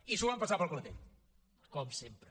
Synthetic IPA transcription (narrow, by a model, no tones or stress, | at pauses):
isuampəsapəlˠklət̪ḛt | kɔmsempɾə